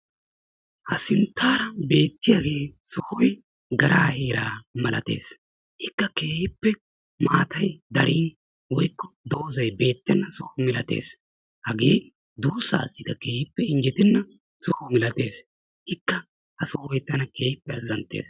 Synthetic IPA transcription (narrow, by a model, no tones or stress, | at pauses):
hɐsɪnt̪ːaːɾɐbe̞ːt̪ːɪjaːɡe̞ːsʊhɔj | ɡɐɾʔaːheːɾaːmɐlʔɐ̰t̪e̞̰ːs | hɪkːɐke̞ːhɪpːɛ | maːt̪ʰɐjd̪ɐɾʔiːn | wɔjkːɔd̪o̞ːzɐjbe̞ːt̪ːɛnːɐsʊhʊmɪlɐt̪e̞̰ːs | hɐɡeː | d̪uːsːa̰ːɐ̰sːɪd̪ɐke̞ːhɪpːɛɪnd͡ʒɪt̪ɪnːɐ | sʊhɔmɪlɐt̪e̞̰ːs | hɪkːɐ | hɐsʊhɔjt̪ɐnɐke̞ːhɪpːɛɐzːɐnt̪ːe̞̰ːs